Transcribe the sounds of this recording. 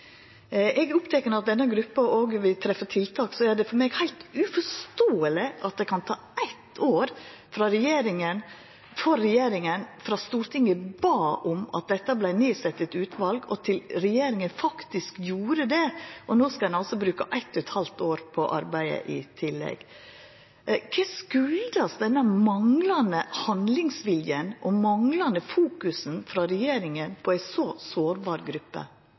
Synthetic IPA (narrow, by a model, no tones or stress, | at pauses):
ʔɛɡʊpt̪ʰɛkːənəɾɑt̪̚d̪ɛnːəɡɾʉpːɑʔoːɡʋɪt̪ʰɾɛfət̪ʰɪlt̪ʰɑːksɔæɖɛfɔɾmeːɡhæɪlt̪ʉfɔʂt̪oːəlɪʔɑt̪̚d̪ɛkɑnt̪ʰɑːæɪt̪ʰoːɾ | fɾɑɾɛjeːɾɪŋən | fɔɾːɛjeːɾɪŋənfɾɑst̪uːɾt̪ʰɪŋəbɑːʔʊmɑ̰t̪̚d̪ɛt̪ːəblæɪneːsɛt̪ːət̪ʉːt̪ʰʋɑlɡɔ̰t̪ʰɪlɾɛjeːɾɪŋənfɑkt̪ɪskjuːɾəd̪ɛʔɔnoːskɑd̪ɛnɑlsɔbɾʉːkɑʔæɪt̪ʰːʉt̪hɑlt̪oːɾpʰɔʔɑɾbæɪə̰ʔɪt̪ʰɪlːɛ̰ɡ | kʰɛskʉld̪ɑsd̪ɛnːəmɑŋlɑnəhɑnd̪lɪŋsʋɪljənʔɔmɑŋlɑnəfuːkʉsn̩fɾɑɾɛjeːɾɪŋənpʰɔæɪsɔsoːɾbɑːɾɡɾʉpːə̰